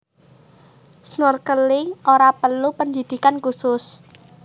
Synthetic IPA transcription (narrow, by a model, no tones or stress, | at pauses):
snʊrkəliʔoɾapəlupənd͡ʒid̪̥i̤kankusʊs